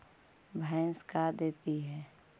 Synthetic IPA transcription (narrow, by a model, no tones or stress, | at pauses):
bʱə̃skad̪eːt̪iɦɛː